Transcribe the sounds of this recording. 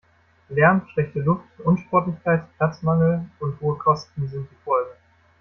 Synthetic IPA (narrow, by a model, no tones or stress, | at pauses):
lɛɐnʃl̥ɛçtəlʊftʔʊnʃpɔɐtlɪçkʰaɪtplaɐt͡smaŋl̩ʊnthoːəkʰɔstn̩zɪnt̚d̥iːfɔlɡə